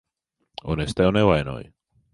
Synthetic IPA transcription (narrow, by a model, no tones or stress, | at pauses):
onest̪eonewaeno̰j